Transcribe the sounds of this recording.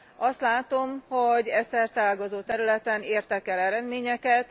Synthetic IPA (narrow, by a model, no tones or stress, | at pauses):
ɒst̪laːt̪o̞mhoɟɛsɛrt̪aːlɡozoːt̪ɛɾylɛt̪ɛneːrt̪ɛkɛlɛɾɛd̪meːɲɛkɛt̪